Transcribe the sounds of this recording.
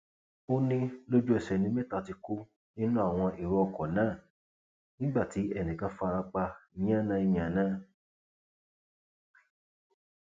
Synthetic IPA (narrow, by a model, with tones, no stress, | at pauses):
o˦nĩ˦lo˦d͡ʒu˦ɛ˨sɛ˨nĩ˨˦me˦ta˦˧˨ti˧ko˦ | nĩ˦nũ˦a˨w̃ɔ̃˧i˨ɾɔ˧ɔ˧˨kɔ˨nãː˦˨ | nĩ˦ɡ͡ba˦˨ti˨˦ɛ˦˨nĩ˨ka˧˦fɾa˧k͡pa˧ɲ̃˦ã˦˨nã˦i˧jã˨nãː˦˨